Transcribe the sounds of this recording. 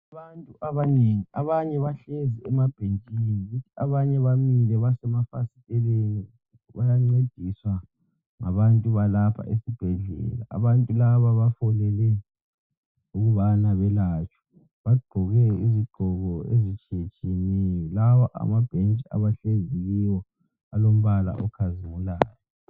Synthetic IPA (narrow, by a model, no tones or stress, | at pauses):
aβantʼuʔaβaneŋiaβaɲɛβaɬeziɛmab̥ʱent͡ʃʼiniɣutʰiaβaɲɛβamilɛβasɛmafasitʼɛlen | βajaŋ͡ǀed̥ʱiswa | ŋa̰βantʼuβalapʰa̰ʔesib̥ʱɛɮɛ̰la̰ʔa̰βantʼulaβaβafɔlɛlɛ | uɣuβanaβɛlat͡ʃʰʼɔ̥ | βaɡ͡ǃʱɔɣɛiziɡ͡ǃʱɔɣɔḛzit͡ʃʰʼet͡ʃʰʼinɛjɔlawaʔa̰mab̥ʱent͡ʃʼia̰βaɬeŋziliwɔ | alom̩βala̰ʔɔkʰazimulaːjɔ